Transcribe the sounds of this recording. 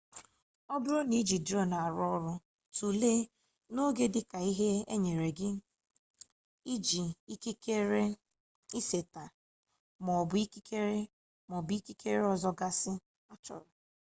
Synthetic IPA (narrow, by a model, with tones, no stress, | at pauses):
ɔ˦bʊ˦ɾo˦ni˨˦d͡ʒi˨dɔ˦na˨a˨ɾɔ˦ɾʊ˦ | tu˨le˦ | no˦ɡe˦dɪ˦ka˨i˦ɦe˦ḛ˦ɲe˨ɾe˨ɡɪ˦ | i˦d͡ʒi˨i˦ki˦ke˦ɾe˦ | i˦se˨ta˨ | mɔ˨bʊ˨˦i˦ki˦kʰe˦ɾe˦ | mɔ˨bi˦ki˦ke˦ɾe˦ɔ˦˨zɔ˦ɡa˦sɪ˦ | a˦t͡ʃɔ̰˨ɾʊ˨